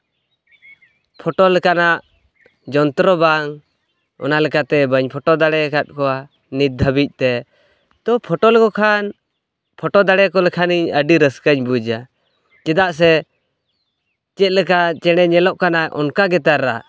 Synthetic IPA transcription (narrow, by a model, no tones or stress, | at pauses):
pʰɔʈɔlɛkanaʔ | d͡ʒɔnt̪ɾɔbaŋ | ɔ̰nalɛkat̪ɛbəɲpʰɔʈɔd̪aɽɛkat̪̚kɔa | nit̪̚d̪ʱəbic̚ˀt̪ɛ | t̪ɔpʰɔʈɔlkɔkʰan | pʰɔʈɔd̪aɽɛkɔlɛkʰaniɲəɖiɾəskəɲbud͡ʒa | t͡ʃɛd̪aʔs̬ɛ | t͡ʃɛt̪̚lɛkat͡ʃɛɽ̃ɛɲɛlɔʔkanaɔ̰nkaɡɛt̪aɾaʔ